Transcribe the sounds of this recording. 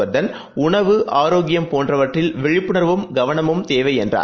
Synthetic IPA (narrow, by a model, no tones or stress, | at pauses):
ɐɾðɐn | ʊɳɐʋɯʔaːɾoːɡɪjɐmpoːndrɐʋɐʈrɪlʋɛɻɪpːɯɳɐɾʋɯmɡɐʋɐnɐmɯmt̪eːʋɐɪɛndra̰ː